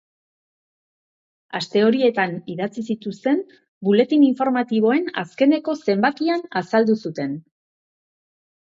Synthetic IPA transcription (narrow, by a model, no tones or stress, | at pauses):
ast̪e̞o̞ɾie̞t̪aniðat͡sisit̪ust̪e̞m | bule̞t̪iniɱfo̞ɾmat̪iβ̞o̞e̞na̰ske̞ne̞ko̞se̞mbat̪ianasald̪usut̪e̞n